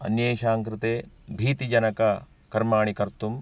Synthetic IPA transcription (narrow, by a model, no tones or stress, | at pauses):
ɐ̰njeːʃaːŋkɾɪt̪eː | bʱiːt̪id͡ʒɐnɐkɐ | kɐɾmaːɳikɐɾt̪um